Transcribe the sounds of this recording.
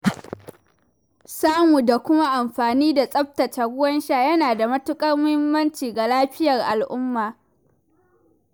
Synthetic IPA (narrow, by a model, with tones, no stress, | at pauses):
saː˦mu˨da˨kʷʊ˦ma˦ʔa˨mɸaː˨niː˦da˨sʼɐ˦ɸ̚tɐ˨ta˨ɡʊ˦wɐ˦nʃaː˦˨jɐ˦naː˨da˨mɐ˦tʊ˦kʼɐ˦rmʊ˦hɪ˦mːɐ˦nt͡ʃiː˨ɡa˨laː˦ɸɪ˦jɐ˨rʔa˨lʔʊ˦mːaː˨